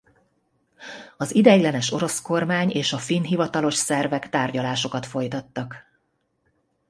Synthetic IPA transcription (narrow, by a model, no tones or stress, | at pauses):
ɒzid̪ɛjlɛnɛʃo̞ɾo̞sko̞rmaːɲeːʃɒfinɦivɒt̪ɒlo̞ʃsɛrvɛkt̪aːrɟɒlaːʃo̞kɒt̪fo̞jt̪ɒt̪ːɒk